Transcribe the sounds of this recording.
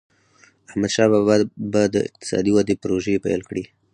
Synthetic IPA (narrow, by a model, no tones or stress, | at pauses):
ahmad̪ʃɑbababad̪əɪ̰q̚t̪ɪ̥sɑ̰d̪iwad̪epɾoʒepa̰jlkɽi